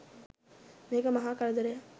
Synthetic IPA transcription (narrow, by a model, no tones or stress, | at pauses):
neːɡɐmɐɦaːkɐɭɐd̪ɐɾe